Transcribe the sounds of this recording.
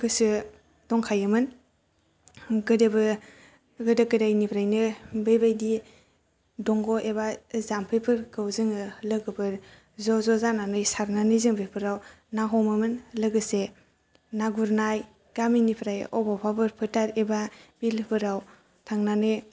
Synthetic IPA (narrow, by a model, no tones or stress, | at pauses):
ɡɯsɯ | d̥ɔŋkʰajɯmɯn | ɡɯdebɯ | ɡɯdakɯdajnipʰɾajnɯbajbajdi | dɔŋɡɔʔebazampʰɯjpʰɯɾkɯwzɯŋɯlɯɡɯbɯɾ | zɔzɔzananɯjsaɾnanɯjzɯŋbepʰɯɾaw | naɦɔmɯmɯnlɯɡɯse | naɡuɾnaj | ɡ̥aminipʰɾaj̰ʔɔbɔpʰabɯɾpʰɯtaɾebabilɯpʰɯɾaw | tʰaŋnanɯj